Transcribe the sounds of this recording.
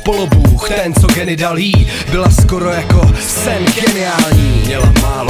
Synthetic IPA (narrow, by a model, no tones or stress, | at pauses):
polobuːxt̪ɛnt͡soɡɛnɪdaliː | bɪlaskoɾo̞jako̞ | sɛnɡɛnɪaːlɲiːmɲɛlamaːlo